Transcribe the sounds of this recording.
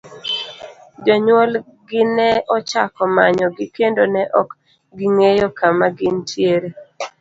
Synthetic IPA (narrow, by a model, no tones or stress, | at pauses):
d͡ʒɔɲwol | ɡɪnɛɔt͡ʃakɔmaɲɔɡɪkendonɛʔɔk | ɡɪŋejokamaɡɪntʰjeɾe